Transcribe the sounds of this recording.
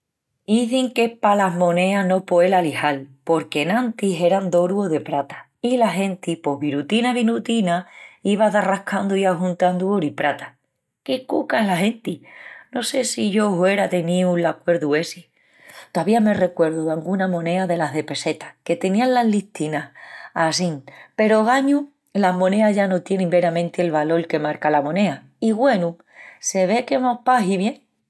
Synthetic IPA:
iθiŋke̞palaɦmõ̞ne̞ano̞poe̞lalihalpo̞ɾke̞nãnt̪iɦe̞ɾand̪o̞ɾuoðe̞pɾat̪ḁ | ilaɦe̞nt̪ipo̞ɦβiɾut̪inaβ̞inut̪inaiβaðarahkʰand̪uiaɦunt̪and̪uoɾipɾat̪ḁ | kekukaɦlaɦe̞nt̪ino̞se̞siʝo̞ɦwe̞ɾaðe̞nĩulakwe̞ɾðue̞si | t̪oaβiame̞re̞kwe̞ɾðoðaŋɡunamõ̞ne̞aðe̞laɦðe̞pe̞se̞t̪ḁke̞t̪e̞nĩanlaɦliht̪inahasiŋpe̞ɾo̞ɣaɲu | lamõne̞aʝano̞t̪je̞nẽmbe̞ɾamẽnt̪ie̞lβalo̞lke̞maɾkalamõ̞ne̞a | iɣwe̞nũ | se̞βe̞ke̞mohpaɦiβje̞ŋ

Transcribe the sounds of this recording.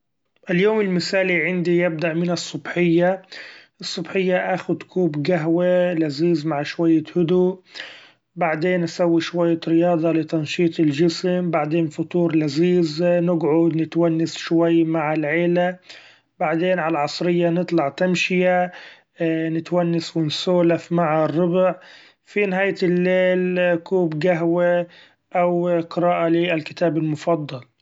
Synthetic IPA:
ʔɪljoːmɪlmɪsaːliʕɪnd̪ijɪb̚d̪aʔmɪnɨsˤːʊbħɪjːaʔɨsˤːɑbħɪjːaʔaːxʊd̪kʰuːbɡaɦwalaziːzmaʕʃwajːahʊd̪u | baʕd̪eːnʔasawːiʃwajːaɾɪjɑːd̪ˤɑlɪt̪ɑnʃiːt̪ˤɪlʒɪsmbaʕd̪eːnfʊt̪ˤuːɾlaziːznɪɡʕʊd̪nɪt̪wanːasʃwajːmaʕɪlʕeːla | baʕd̪eːnʕalaʕɑsˤɾɪjːanɨt̪ˤlɑʕt̪amʃɪja | nɪt̪wanːaswɪnsoːlafmaʕrːʊbʕ | finɪɦaːjt̪ɪlːeːlkuːbɡaɦwa | ʔawqɨɾaːʔalialkɪ̥t̪aːbɪlmʊfɑd̪ˤːɑl

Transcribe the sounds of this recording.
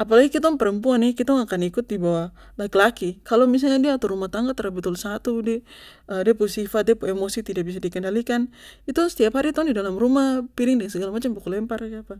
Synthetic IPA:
apalaɡikit̪aŋpəɾəmpuanikit̪ɔŋakanikʊt̪̚dibawa | lakilakikalomis̬alɲadiaːt̪ɔɾumaht̪aŋɡat̪əɾabut̪ulsat̪udɛ | ədɛpusifat̪̚dɛpuɛmosit̪idak̚bis̬adikɛndalikanit̪usə̥t̪iaphaɾit̪aundidalamɾumahpiɾiŋdɛŋsəɡalamat͡ʃambukulɛmparɡapa

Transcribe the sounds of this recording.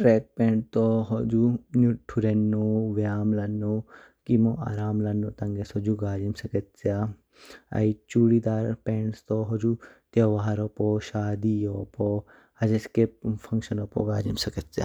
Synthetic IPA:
ʈɾɛːk̚pẽːɳʈ̚t̪oɦod͡ʒunuʈʰːuɾenːoːʋjaːmlɐnːo | kimoʔa̰ːɾaːmlɐnːoːt̪ɐŋɡesod͡ʒuɡaːd͡ʒimsɐkɐtt͡sa | ɐ̰it͡ʃuːɽid̪aːɾpeːɳʈst̪oɦod͡ʒut̪jɐʋaːaɾopoʃaːd̪ijopo | hɐd͡ʒeskepfʰɐŋkʃɐnopo̰ɡaːd͡ʒimsɐkɐt̪t͡sja̰ː

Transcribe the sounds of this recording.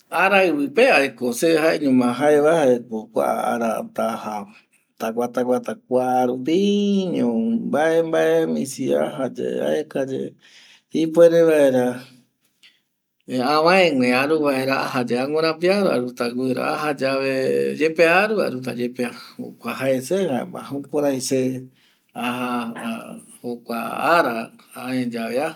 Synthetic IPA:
aɾaɨβɨpeaekoseɦaeɲũmãɦaeβahaekokʷa̰a̰ɾa̰t̪aha | t̪akʷat̪akʷat̪ak̚ʷaɾupiɲõmbaʔembaemĩsia̰ɦad͡ʒḛa̰ekad͡ʒḛ | hipweɾeβaeɾa | ãβãẽŋʷẽaɾuβaeɾaaɦad͡ʒeaŋʷoɾ̃ãpiaɾa̰ɾut̪aɡʷɨɾa̰aɦad͡ʒaβed͡ʒepeaɾuβa̰ɾut̪ad͡ʒepeaho̰kʷaɦaesehaḛmã̰hũkoɾajse | aɦa | hokʷa̰aɾaaẽd͡ʒaβea

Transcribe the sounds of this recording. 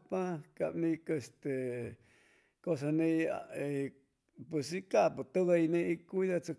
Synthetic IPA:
pãka̰nĩkest̪e | kos̬anĩa | pusikaput̪uðainĩikuðat͡su

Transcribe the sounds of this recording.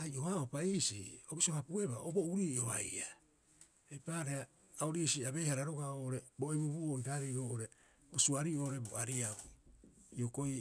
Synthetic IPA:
ajʔo̞ɦaopaisiobisohapue̞βa̰obo̞uɾiːoβa̰ja | epaːɾeaː | oɾiːsiaβe̞jhaɾaɾoɡaoʔoɾe̞bo̞ebubuontaɾioːʔoɾe̞ | bosuaɾio̞ːoɾe̞bo̰aɾiau | iokoi

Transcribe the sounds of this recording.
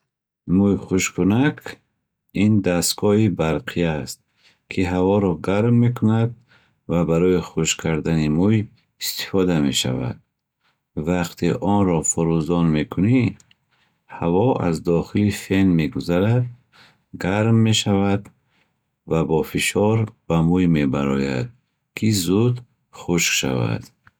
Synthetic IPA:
mujχuʃkʰunakʰ | ind̪asɡɔibaɾqʰijaːst̪̚ | kʰiɦavɔɾɔɡaɾmːe̞kʰunad̪̚ | vabaɾɔiχuʃkʰaɾd̪animuj | ist̪i̥fɔd̪ame̞̰ʃa̰va̰d̪̚ | vaqt̪ʰḭʔɔnɾɔfɔɾuzɔnme̞kʰuni | havɔa̰zd̪ɔχilife̞nme̞ɡuzaɾad̪̚ | ɡaɾmːe̞ʃavad̪ | vabɔfiʃɔɾb̥amujme̞baɾɔja̰d̪̥̚ | kʰizud̪ | χuʃʃa̰va̰d̪̥

